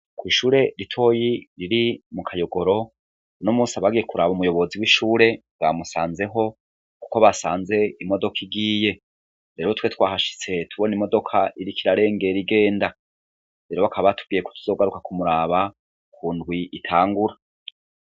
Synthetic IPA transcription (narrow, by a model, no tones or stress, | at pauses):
kwiːʃuːɾe̞ɾitʰo̞ːjiɾiɾimukʰajo̞ɡo̞ɾo̞ | unomuːsiaβaɡije̞kuɾaːβumujo̞βo̞ziwiʃuːɾe̞ | wamusaːnze̞ɦo̞ | ku̥ko̞βasaːnze̞imo̞do̞kʰiɡiːje̞ | ɾe̞ɾotwe̞twaːɦaʃi̥t͡se̞tʰuβo̞nimo̞do̞kʰaʔiɾikiɾaɾe̞ːŋɡe̞ɾiɡe̞ːnda | ɾe̞ːɾo̞βakʰaβatub̚ɡiːjeko̥tu̥zo̞ːɡaɾukakʰumuɾaːβa | kʰuːndɡwiitʰaːŋɡuɾa